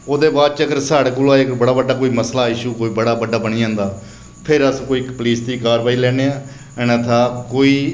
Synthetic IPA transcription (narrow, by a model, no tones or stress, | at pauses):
oːd̪eːbaːd̪̚t͡ʃəɡəɾsaːɽkʊlaːekbəɽaːbəɖaːkoːiːməslaːɪʃuːkoːiːbəɽaːbəɖaːbəɽ̃iːãːnd̪aː | pʰɪɾəskoːiːkpəliːsd̪iːkaːɾʋaːiːlɛːneːãː | ɛnat̪ʰaːkoːiː